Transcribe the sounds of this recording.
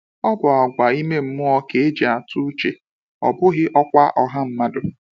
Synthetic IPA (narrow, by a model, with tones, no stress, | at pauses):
ɔ˦bʊ˨a˨ɡʷa˨i˦me˦m̩˦mʊ˦ɔ˦ke˨e˦d͡ʒe˨a˨tu˦t͡ʃe˨ | ɔ̰˨bʊ˦ɣɪ˦ʔɔ˦kʷa˦ʔɔ˨ɦa˦m̩˦ma˦dʊ˨